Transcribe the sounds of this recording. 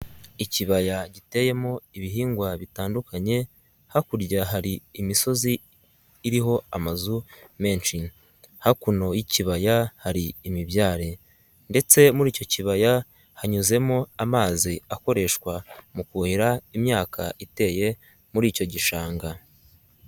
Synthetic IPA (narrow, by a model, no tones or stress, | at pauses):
iciβajaɟite̞je̞moiβiɦiːŋɡwaβitaːndukaɲe̞ | hakuɾɟaɦaɾiːmiso̞ziː | ɾiɦo̞amazume̞ːnt͡ʃin | hakuno̞jiciβajahaɾiːmiβjaːɾe̞ | nde̞t͡se̞muɾiːco̞ciβaja | haɲuze̞moamaːziako̞ɾe̞ʃkwamukuhiɾaimɲaːkʰa̰ʔite̞je̞ | muɾiːco̞ɟiʃaːŋɡa